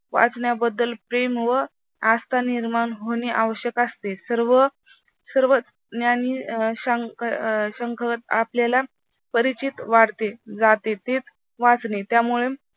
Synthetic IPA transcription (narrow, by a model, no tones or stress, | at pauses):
ʋa̰t͡sɳjabəd̪ːəlpɾemʋə | ast̪aniɾmaɳɦoneʔaʋəɕjəkəst̪esəɾʋə | səɾʋət͡s | njaniɕəŋkɕəŋkʰət̪apljala | pəɾit͡ɕit̪ʋaɽt̪ed͡zat̪et̪et͡s | ʋat͡snet̪jamuɭe